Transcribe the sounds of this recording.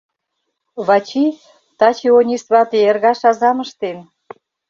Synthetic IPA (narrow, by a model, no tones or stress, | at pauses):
βɑt͡ɕi | t̪ɑt͡ɕionʲisβɑt̪eerɣɑʃɑzɑmə̆ʃt̪en